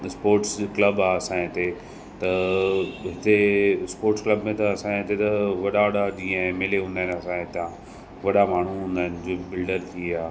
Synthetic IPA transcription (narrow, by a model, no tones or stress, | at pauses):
spoːɾʈsklɐbaːɐsãẽt̪e | t̪ɐ | ɦɪt̪espoːɾʈsklɐbmẽt̪ɐɐsãːɪ̃t̪et̪ɐʋɐɗaɐɗad͡ʑĩːə̃ɦmeːleɦũːnd̪aɦɪnɐsãɪ̃t̪ã | ʋɐɗamaːɳ̤uɦũːnd̪aːɪnɪd͡ʑoːbɪlɖəɾt̪ʰiaː